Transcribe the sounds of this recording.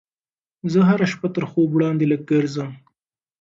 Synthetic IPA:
zəɦaɾaʃpat̪əɾxobwɽɑːnd̪elək̚ɡəɾzəm

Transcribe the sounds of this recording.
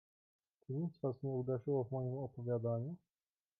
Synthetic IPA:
t͡ʂɘɲit̪zvasɲɛud̪ɛʐɘwɔvmɔjimɔpɔvʲjad̪aɲu

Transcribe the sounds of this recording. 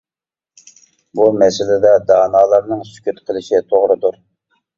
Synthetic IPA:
bumɛsɪlɪd̪ɛd̪ɑːnɑːlˠɑɾnɨŋsy̥kʲyt̪qʰəlˠɪʃit̪ʰoʁɾɨd̪uɾ

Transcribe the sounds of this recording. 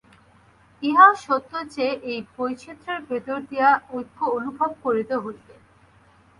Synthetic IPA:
iɦaʃot̪ːot͡ɕeʔejpojʃʰit̪ːɾeɾbʱet̪oɾd̪ijaojkʰːoonubʱob̚koɾit̪eɦolːe

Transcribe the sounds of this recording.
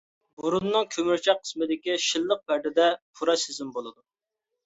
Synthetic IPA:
buɾunːɨŋkʲʰømyɾt͡ʃʰɛqʰə̥smɪd̪ɪkʲiʃilˠːəq̚pæɾd̪ɪd̪ɛpʰuɾɑsezɪmbolˠɨd̪u

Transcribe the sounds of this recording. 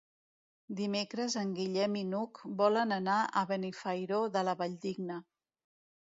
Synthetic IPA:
d̪imekɾəzəŋɡiʎɛminukbɔlənənaʔəβənifəjɾoðələβəʎd̪iɡnə

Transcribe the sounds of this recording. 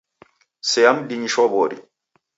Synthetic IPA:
sɛamdiɲiʃɔbɔɾḭ

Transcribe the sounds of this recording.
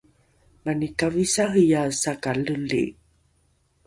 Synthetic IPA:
manikavisahijasakaləlḭ

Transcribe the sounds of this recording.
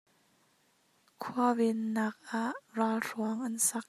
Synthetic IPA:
kʰuavɪnːaːk̚ʔaʔraːlruɐŋʔɐnsɐk̚

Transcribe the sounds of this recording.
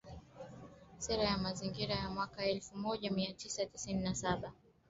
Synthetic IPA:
sɛɾajamaziŋɡiɾajamwakaɛlfumɔʄamiatʰisatisininasaɓa

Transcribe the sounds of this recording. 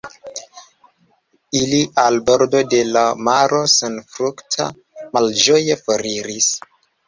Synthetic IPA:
iliʔalbo̞ɾdo̞de̞lamaɾo̞senfɾuktʰa̰ | mald͡ʒo̞jefoɾiɾis

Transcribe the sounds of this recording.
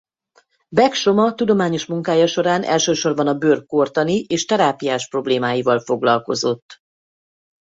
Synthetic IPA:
bɛkʃo̞mɒt̪ud̪o̞maːɲo̞ʃmuŋkaːjɒʃo̞ɾaːnʔɛ̰lʃøːʃo̞rbɒnɒbørkːort̪ɒniʔeːʃt̪ɛɾaːpijaːʃpro̞bleːmaːjivɒlfo̞ɡlɒlko̞zo̞t̪ː

